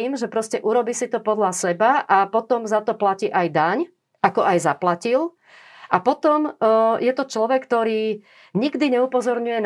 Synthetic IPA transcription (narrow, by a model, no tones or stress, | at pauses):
iːmʒɛpɾɔscɛʔuɾɔbiːsit̪ɔpɔd̪lasɛbaʔapɔt̪ɔmzat̪ɔplaciːʔajd̪aɲ | ʔakɔʔajzaplacil | ʔapɔt̪ɔmjɛt̪ɔt͡ʃlɔʋɛkːt̪ɔɾiː | ɲiɡd̪iɲɛupɔzɔɾɲujɛn